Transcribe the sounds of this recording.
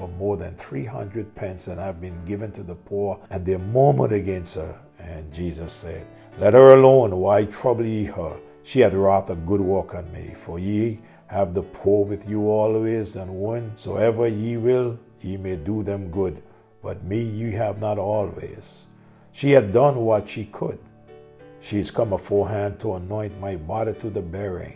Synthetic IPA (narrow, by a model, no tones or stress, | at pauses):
fə˞mɔɹðɨ̃nθɹiɦʌ̰̃ndɹɨd̚pʰɛ̃nsɨ̃naɪvbɨ̃nɡɪvɨ̃ntʰɨðəpʰuɹɨ̃nðəmõʊ̃mə̰̃ñtɨɡɛ̃nst̚hə̰˞ | ɨ̃nd͡ʒizɨsɛ̰d̥̚ | lɛt̚hə˞əlõʊ̃nwaɪtʰɹ̥ʌbl̩ˠjiə˞ | ʃiɨdɹɑθəɡʊd̚wɜ˞kɨ̃nmḭfə˞ji | ɨvðəpʰuɹwɨðjɨɔlˠwizɨ̃nwʌ̃nsoʊɛvə˞jiwɪlˠ | jɨmeɪduðɨ̃mɡʊd̚ | b̥ʌt̚mijɨɨvnəɾɔlˠwḭz̥ | ʃiɨdʌ̃nwʌtʃikʰə̰d̥ | ʃiɨz̥kʰʌ̃məfɔɹɦæ̃ntʰəənɔ̃ɪ̃nmaɪbɑɾiɾʰɨðəbɛɹɪ̰̃ŋ